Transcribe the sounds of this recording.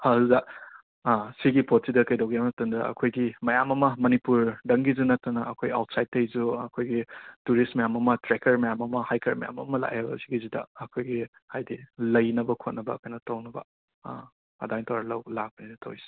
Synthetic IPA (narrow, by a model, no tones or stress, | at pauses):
hazuza | siɡipʰot̚sidɐkɐjdowɡiamnɐtɐndɐ̰ɐ̰kʰojɡimɐjamɐmɐmɐnipuɾdɐŋɡizunɐtːɐnɐɐkʰoja̰wtsajd̚tːɐjzuɐkʰojɡituɾistmɐjamɐmɐtɾekɐɾmɐjamɐmɐhajkʰɐɾmɐja̰mɐmɐla̰ʔebɐ̰siɡizidɐ̰ɐkʰojɡi | hajdilɐjnɐbɐkʰot̚nɐbɐ̰kʰajnɐtɐwnɐbɐ̰ | ɐ̰dajŋtʰɐwɾɐlɐwlak̚bɐnidɐtʰɐ̰wisi̥